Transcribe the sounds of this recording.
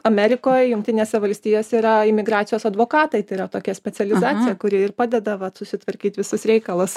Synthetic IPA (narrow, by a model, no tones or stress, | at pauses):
ɐmʲɛɾʲɪkoːjjʊŋkt̪ʲɪnʲeːsʲɛʋɐlʲsʲt̪ʲiːjoːsʲɛiːɾɐɪmʲɪɡɾɑːt̪ʲɪjoːsɐd̪ʋoːkɑːt̪ɐɪt̪ɐɪɾɐt̪oːkʲɛsʲpʲɛt͡s̪sʲɛlʲɪzɑːt̪sʲɪjɛkʊɾʲɪɪrpɑːd̪ʲɛd̪ɐʋɐsʊsʲɪt̪ʋɐɾʲkʲiːt̪ʲʋʲɪsʊsɾʲɛɪkɐlˠɐs